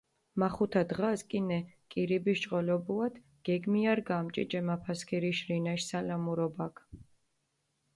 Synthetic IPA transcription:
maχut̪ʰad̪ʁaskʼinɛkʼiɾibiʃt͡ʃʼqʼɔlɔbulad̪̥ | ɡ̥ɛɡmiaɾɡamt͡ʃʼḭd͡ʒʼɛmapʰaskʰiɾiʃɾinaʃsalamuɾɔbakʰ

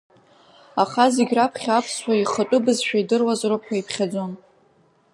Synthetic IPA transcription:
aχazeɡʲrapʰχʲapʰsʃʷaiχətʷʼʊbɨzʃᶣaidɨrwazɾopħʷʰaipʰχʲad͡zo̞n

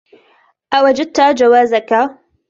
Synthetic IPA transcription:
ʔawad͡ʒad̪̚t̪ad͡ʒawaːzaka

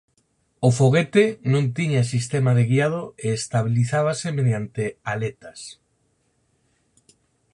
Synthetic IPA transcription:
ofoɣ̞et̪enõnt̪iɲas̬ist̪emaðeɣiað̞oeːst̪aβ̞iliθaβasemeðjant̪ealet̪as

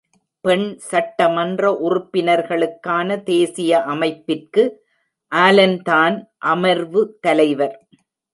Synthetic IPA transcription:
pɛɳsɐʈːɐmɐndrɐʔʊrʊpːɪnɐɾɣɐɭɯkːaːnɐt̪eːsɪjɐʔɐmɐɪpːɪrkɯ | ʔaːlɐnt̪aːnʔɐmɐɾʋɯt̪ɐlɐɪʋɐɾ

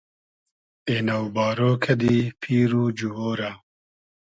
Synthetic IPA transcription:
eːnɐwbɑːɾoːkʰɐd̪ipʰiːɾuːd͡ʒuɦoːɾɐ

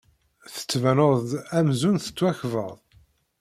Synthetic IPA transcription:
θə̥t͡sːvænoɾðæmzunθə̥t͡sːwæçvə̰ʁˤ

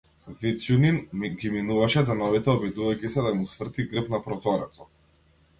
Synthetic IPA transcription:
vit̪juninɡʲiminuvaʃɛd̪ɛnɔvit̪ɛɔbid̪uvajkcisɛd̪amusvr̩t̪iɡr̩pnapɾɔzɔɾɛt̪sɔ

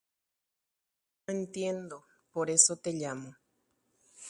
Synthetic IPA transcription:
noent̪jend̪o | poɾesot̪eʎamo

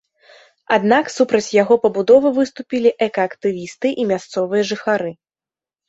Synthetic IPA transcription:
ad̪naksupɾɐt͡sʲjaɣɔpɐbud̪ɔvɨvɨst̪upʲilʲiʔɛkɐːkt̪ɨvʲist̪ɨʔimʲast̪sɔvɨjɐʐɨxaɾɨ

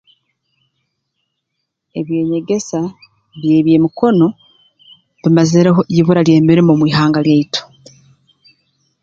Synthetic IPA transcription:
e̞βje̞ːɲe̞ɡe̞sa | βje̞ːβje̞ːmiko̞no̞ | βimazeɾeɦoiβuɾalje̞ːmiɾimomwiːɦaːŋɡaljaitʰo̥

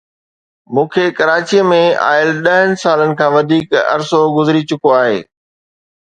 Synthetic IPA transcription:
mũːkʰekɐɾaːt͡ɕijəmẽa̰ːɪəlɗɐɦənɪ̆saːlənɪ̆kʰãːʋɐd̪ʱiːkɐ̰ɾsoɡʊzɪɾit͡ɕʊkoaːɦḛː

